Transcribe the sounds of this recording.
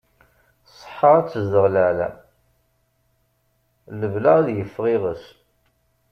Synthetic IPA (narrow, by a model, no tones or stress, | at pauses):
sˤə̥ħːɑɾˤat͡sːəzd̪əʁləʕlæ̰ | ləvlaæðjəfːʁɪʁəs